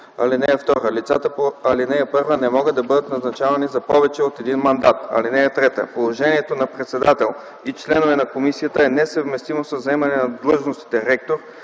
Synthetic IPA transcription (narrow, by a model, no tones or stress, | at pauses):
ɐ̰linɛəft̪ɔɾəlit̪sat̪əpoɐlinɛjɐpɤɾvənɛmɔɡəd̪ɐbɤd̪ət̪nɐznɐt͡ʃavɐnizɐpɔvɛt͡ʃɛot̪ɛd̪inmɐnd̪at̪ɐ̰linɛɐt̪ɾɛt̪ə̰polˠoʒɛniɛt̪onɐpɾɛt̪sɛd̪at̪ɛlˠ | it͡ʃlɛnovɛnɐkomisijət̪əɛnɛsəvmɛst̪imosəzɛmɐnɛnɐd̪lˠɤʒnost̪i̥t̪ɛɾɛk̚t̪oɾ